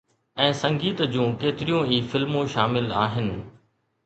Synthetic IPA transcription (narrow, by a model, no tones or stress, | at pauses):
ɛ̃ːsɐ̃ŋɡiːt̪d͡ʑũːkeːt̪ɪɾijũiːfɪlmũʃaːmɪlaːɦɪnɪ̆